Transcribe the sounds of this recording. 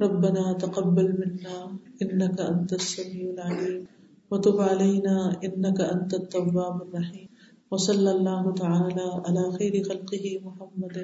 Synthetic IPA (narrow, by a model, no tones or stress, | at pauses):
ɾˤɑbːanaːt̪aqɑbːalmɪnːaːʔɪnːakaʔant̪asːamiːʕalʕaliːm | wɑt̪ˤʊbʕalajnaːʔɪnːakaʔant̪at̪ˤːɑwːaːbarˤːɑħiːm | wɑsˤɑlːalˤːaːɦʊt̪aʕaːlaːʕalaːxajɾɪxalqɨɦɪmʊħamːad̪